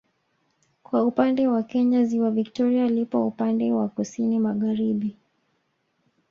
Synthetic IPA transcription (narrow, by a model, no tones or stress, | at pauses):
kwaupandɛwakɛɲaziwaviktɔɾialipɔupandɛwakusinimaɣaɾiɓi